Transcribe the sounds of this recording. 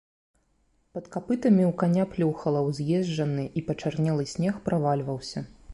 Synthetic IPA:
pɐt̪kapɨt̪ɐmʲiwkanʲaplʲuwxɐlˠɐwzʲjɛʒd͡ʐɐnɨʔipɐt͡ʂarnʲɛlˠɨsʲnʲɛxpɾavalʲvɐwsʲɐ

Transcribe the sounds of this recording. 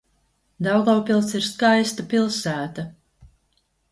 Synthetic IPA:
d̪awɡawpʲilˠsiɾskajst̪apʲilˠsæːt̪a

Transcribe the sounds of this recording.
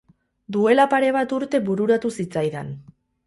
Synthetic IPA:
d̪ue̞lapaɾe̞β̞at̪uɾt̪e̞βuɾuɾat̪usit͡sajðan

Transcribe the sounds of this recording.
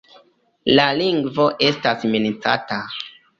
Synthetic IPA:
laliŋɡvo̞ʔe̞stasminit͡sa̰ta

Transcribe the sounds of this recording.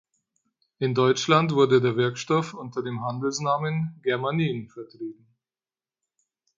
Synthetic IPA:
ʔɪndɔʏt͡ʃlantv̥ʊɐdədeːɐvɪɐkʃtɔfʔʊntɐdeːmɦandl̩snaːmənɡɛɐmaniːnfɛɐtʁ̥iːbm̩

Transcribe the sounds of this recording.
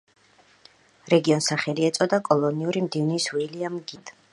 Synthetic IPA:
ɾɛɡiɔnsaχɛliɛt̪sʼɔd̪akʼɔlˠɔniuɾimd̪ivniswiliamɡid̪̥

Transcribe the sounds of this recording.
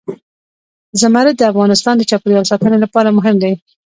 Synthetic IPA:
zamaɾɪt̪̚d̪əafɣɑnɪst̪ɑnd̪ət͡ʃɑpɾjɑlsɑt̪ənelapɑɾamʊɦɪmd̪aj

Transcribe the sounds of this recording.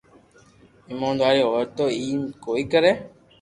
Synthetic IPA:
ɪmõːnd̪aːɾiːɦoːt̪oːiːnkoːiːkəɾẽː

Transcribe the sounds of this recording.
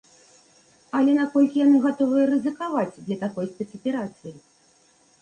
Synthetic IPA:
ɐlʲɛnakɔlʲkʲijanɨɣat̪ɔvɨjɐɾɨzɨkavad͡zʲd̪lʲɐt̪akɔjsʲpʲɛt̪sɐpʲɛɾat̪sɨji

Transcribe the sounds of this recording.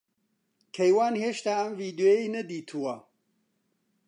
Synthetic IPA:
kʰɐjwaːnheːʃt̪aːɐmviːd̪jojejnɐd̪iːt̪ʰuwɐ

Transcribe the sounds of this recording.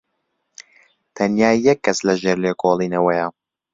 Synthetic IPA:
t̪ʰɐnjaːjːɛkʰːɐslɐʒeɾleːkʰolˠiːnɐwɐjɐ

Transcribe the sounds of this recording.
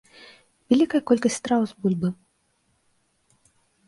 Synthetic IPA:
vʲalʲikɐjɐkɔlʲkɐsʲt̪ɾawzbulʲbɨ

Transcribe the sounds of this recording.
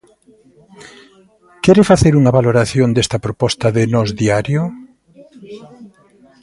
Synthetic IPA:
kɛɾɪfaθeɾuŋaβaloɾaθjond̪est̪ɐpɾopɔst̪ɐðɪnɔzðiaɾjo

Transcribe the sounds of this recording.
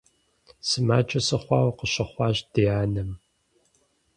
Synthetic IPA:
sɨmaːt͡ʃʼɐsɐχʷɑːwɐqəɕɐχʷɑːɕd̥ijaːnɐm

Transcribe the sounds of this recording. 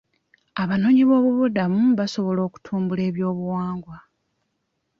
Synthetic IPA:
aβano̞ːɲiβo̞ːβuβudamuβaso̞βo̞lo̞ːku̥tʰuːmbule̞ːβjo̞ːβuwaːŋɡwa

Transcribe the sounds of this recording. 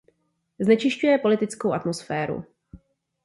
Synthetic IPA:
znɛt͡ʃɪʃcujɛpo̞lɪt̪ɪt͡skowʔat̪mo̞sfɛːɾṵ

